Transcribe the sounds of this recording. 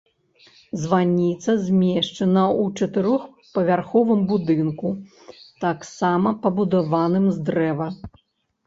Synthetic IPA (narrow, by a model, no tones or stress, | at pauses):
zvanʲit̪sɐzʲmʲeɛʂt͡ʂɐnɐut͡ʂɐt̪ɨɾɔx | pɐvʲarxɔvɨmbud̪ɨnku | t̪aksamɐpɐbud̪avanɨmzd̪ɾɛvɐ